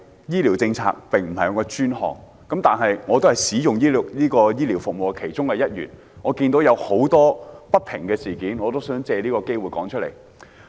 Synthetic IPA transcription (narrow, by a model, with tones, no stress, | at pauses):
jiː˥liː˨˩wt͡sɪ˧ŋt͡sʰa̰ː˧k̚pɪ˨ŋm̩˨˩hɐ˨jɔ˨˧kɔː˧t͡ʃyː˥nɦɔ̰ː˨ŋ | kɐ˨˥mt̪aː˨nɦɐ˨jŋɔː˨˧t̪o˥hɐ˨˩jsiː˨˥jʊ˨ŋjiː˥liː˥kɔː˧jiː˥liː˨˩wfʊ˨k̚mo˨wkʰe˨˩jt͡ʃʊ˥ŋkɛ˧jɐ˥t̚jy̰ː˨˩n | ŋɔː˨˧kiː˧nt̪o˨˥wjɐ˨˧who˨˥wt̪ɔː˥pɐ˥t̚pʰɪ˨˩ŋkɛː˧siː˨˩kiː˨˥nŋɔː˨˧t̪o˥wsœː˨˥ŋt͡sɛː˧liː˥kɔː˧ke˥jwuː˨˩jkɔː˨˥ŋt͡ʃʰɵ˥t̚lḛ˨˩j